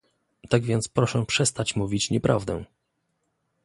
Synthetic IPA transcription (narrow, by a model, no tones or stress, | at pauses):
t̪aɡvʲjɛnt̪spɾɔʂɛpʂɛst̪at͡ɕmuvʲit͡ɕɲɛpɾʔavd̪ɛ̰̃